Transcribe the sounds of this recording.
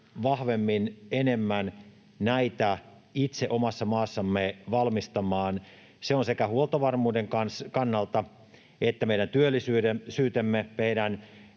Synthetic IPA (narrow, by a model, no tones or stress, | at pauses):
ʋɑhʋemːinenemːæn | næit̪æ | it̪seʔomɑsːɑmɑːsːɑmːeʋɑlmist̪ɑmɑːn | seonsekæhuolt̪ɑʋɑrmuːdeŋkɑnskɑnːɑlt̪ɑ | et̪ːæmeiɾænt̪yølːisyːesyːt̪emːemeiɾæn